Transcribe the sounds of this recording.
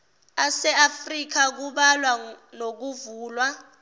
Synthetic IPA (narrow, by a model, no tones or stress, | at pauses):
asɛafrik̬ak̬uɓalwanok̬uvuːlwa